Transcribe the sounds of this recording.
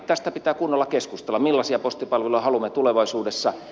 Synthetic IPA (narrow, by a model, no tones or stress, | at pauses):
t̪æst̪æpit̪æːkunːolːɑkeskust̪elːɑmilːɑsiɑpost̪ipɑlʋelojɑhɑlumːet̪uleʋɑisuːdesːɑ